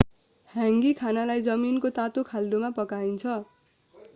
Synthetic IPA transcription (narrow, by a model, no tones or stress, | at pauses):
hãŋɡikʰanalajd͡zʌminkot̪at̪okʰald̪omapʌkaint͡sʰʌ